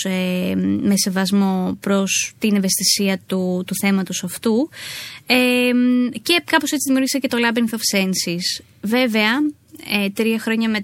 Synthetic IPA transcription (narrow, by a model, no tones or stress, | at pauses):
eme̞se̞vɐzmo̞pɾo̞st̪ine̞ve̞st̪isiɐt̪ut̪uθe̞mɐt̪o̞sɐft̪u | e | ce̞kɐpo̞se̞t͡siðimiuɾʝisece̞t̪o̞lɐbiŋθofsensis | ve̞ve̞ɐ | et̪ɾiɐxɾo̞ɲɐme̞